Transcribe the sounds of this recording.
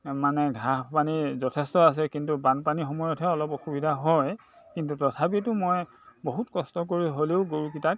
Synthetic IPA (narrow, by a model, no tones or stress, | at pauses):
manɛɡʱaɦpanizɔtʰɛstɔas̬ɛkintubanpanixɔmɔjɔtʰɛɔlɔpoxubidʱaɦɔj | kintutɔtʰapitʊmoj | boɦutkɔstɔk̬oɹiɦoleʊɡoɹukitak̚